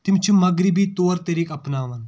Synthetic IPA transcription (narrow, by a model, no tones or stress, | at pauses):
t̪ɪmt͡ʃʰumɐɡɾɪbit̪oːɾt̪ɐɾiːkɐpnaːʋɐn